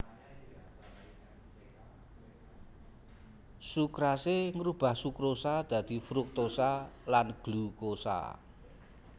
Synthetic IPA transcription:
sukɾaseŋɾub̥a̤hsukɾosad̪̥ä̤d̪̥i̤fɾʊk̚t̪osalanɡ̥lukosa̰

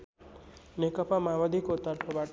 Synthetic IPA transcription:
nekʌpamawʌd̪ʱikot̪ʌrpʰʌbaʈ

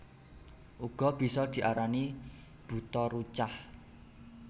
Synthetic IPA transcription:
ʔuɡ̥ɔ̤b̥i̤sɔd̪̥i̤ʔaɾani | b̥ṳt̪ɔɾut͡ʃah

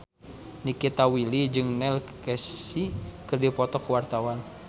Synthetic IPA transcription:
nikit̪awilid͡ʒɨŋnɛlkɛsikɨrdipɔt̪ɔkuwart̪awan

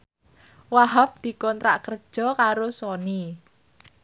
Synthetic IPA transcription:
waɦap̚d̪̥i̤kɔnt̪ɾa̰ʔkərd̥ʒ̥ɔ̤kaɾosɔni

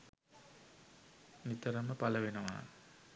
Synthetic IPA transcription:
nit̪ɐɾɐmɐpɐlɐʋenɐma̰ː

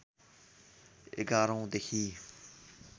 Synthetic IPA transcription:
ɪ̰ɡaːɾõːd̪ekʰiː

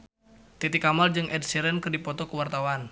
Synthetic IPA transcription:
t̪it̪ikamald͡ʒɨŋʔɛd̚siɾɛnkɨrdipɔt̪ɔkəwart̪awan

